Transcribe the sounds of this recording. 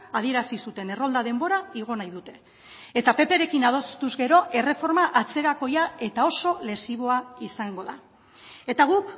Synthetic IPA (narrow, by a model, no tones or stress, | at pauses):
að̞ie̞ɾasisut̪e̞ne̞ro̞ld̪aðe̞mbo̞ɾaiɣ̞o̞najðut̪e̞ | et̪ape̞pe̞ɾe̞kinað̞o̞st̪uzɡe̞ɾo̞ʔe̞re̞fo̞ɾmaʔat͡se̞ɾako̞jae̞t̪ao̞so̞le̞siβ̞o̞aisaŋɡo̞ða̰ | e̞t̪aɣ̞uk